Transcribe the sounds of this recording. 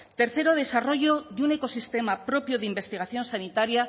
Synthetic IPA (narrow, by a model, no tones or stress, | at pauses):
t̪e̞ɾθe̞ɾo̞ð̞e̞saro̞ʝo̞ðune̞ko̞sist̪e̞mapɾo̞pjoðimbe̞st̪iɣaθjo̞nsanit̪aɾja